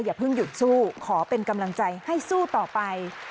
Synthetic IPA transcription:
jaː˨˩pʰɯ˥˩ŋju˨˩t̪̚suː˥˩kʰɔː˩˦pe˧nka˧mla˧ŋt͡ɕa˧jha˥˩jsuː˥˩t̪ɔː˨˩pa˧j

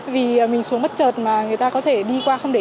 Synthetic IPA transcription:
vi˨˩əː˨˩mï˨˩ŋ̟su˨˦ŋmə˦˥t̚t͡ɕəː˨˩t̚maː˨˩ŋɨ˨əjt̪aː˧kɔ˨˦t̪ʰe˧˩ɗi˧kwaː˧xə˧wŋ͡mɗe˧˩

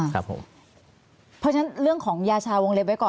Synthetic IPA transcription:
a̰˦˥pʰːo̰˩˦m | pʰɔ˦˥t͡ɕʰna˦˥nɾɯ˥˩əŋkʰɔː˩˦ŋjaː˧t͡ɕʰaː˧wo˧ŋle˧p̚wa˦˥jkɔː˨˩

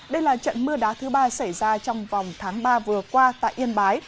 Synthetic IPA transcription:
ɗə˧jlaː˨˩t͡ɕə̰˧˨nmɨ˧əɗaː˨˦t̪ʰɨ˨˦ɓaː˧sa˧˩jzaː˧t͡ɕɔ˧wŋ͡mvɑ˨˩wŋ͡mt̪ʰaː˨˦ŋɓaː˧vɨ˨˩əkwaː˧t̪a̰ː˧˨jʔi˧ənɓaː˨˦j

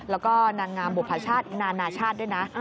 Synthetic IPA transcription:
lɛː˦˥wkɔː˥˩naː˧ŋŋaː˧nbo˨˩pʰaː˧˥t͡ɕʰaː˥˩t̪̚naː˧naː˧t͡ɕʰaː˥˩t̪̚du˥˩jna˦˥ʔ

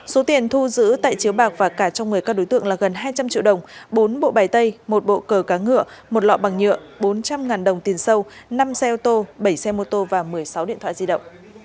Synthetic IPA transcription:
so˨˦t̪i˨˩ənt̪ʰu˧zɨ̰˧˥t̪a̰ː˧˨jt͡ɕi˨˦əwɓaː˨˩k̚vaː˨˩kaː˧˩t͡ɕɔ˧wŋ͡mŋɨ˨˩əjkaː˦˥k̚ɗo˨˦jt̪ɨ̰˧əŋlaː˨˩ɣə˨˩nɦaː˧jt͡ɕa˧mt͡ɕḭ˧˨əwɗə˨˩wŋ͡mɓo˨˦nɓo̰˧˨ɓaː˨˩jt̪ə˧jmo˨˩t̚ɓo̰˧˨kəː˨˩kaː˨˦ŋɨ̰˧˨əmo˨˩t̚lɔ̰˧˨ɓa˨˩ŋɲɨ̰˧˨əɓo˨˦nt͡ɕa˧mŋaː˨˩nɗə˨˩wŋ͡mt̪i˨˩ənsə˧wna˧msɛ˧ʔɔ˧t̪o˧ɓə˧˩jsɛ˧mo˧t̪o˧vaː˨˩mɨ˨˩əjsa˨˦wɗḭ˧˨nt̪ʰa̰ː˧˨zi˧ɗə̰˧˨wŋ͡m

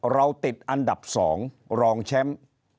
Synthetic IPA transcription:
ɾa˧wt̪i˨˩t̪̚ʔa˧nda˨˩p̚sɔ̰ː˩˦ŋ | ɾɔː˧ŋt͡ɕʰɛ˦˥m

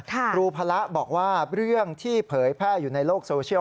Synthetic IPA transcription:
ɾuː˧pʰa˧la˦˥ʔbɔː˨˩k̚waː˥˩ɾɯ˥˩əŋt̪ʰiː˥˩pʰɤː˩˦jpʰɛː˥˩juː˨˩na˧jloː˥˩k̚soː˧sʰi˥˩ə

